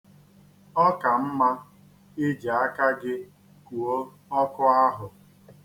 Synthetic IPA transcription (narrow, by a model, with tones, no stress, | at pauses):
ɔ˦ka˨m̩˦ma˦ | ɪ˦d͡ʒa˨a˦ka˦ɡɪ˦ | ku˨o˦ | ɔ˦kʊ˦a˦ɦʊ˨